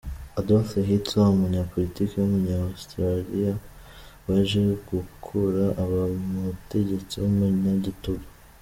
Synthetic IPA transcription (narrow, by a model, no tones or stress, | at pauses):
adosaɦit͡saumuɲapo̞litiːkejumuɲaostɾalija | waʒeɡukʰuɾaʔaβamute̞ɟe̞t͡siwomuɲaɟituɡa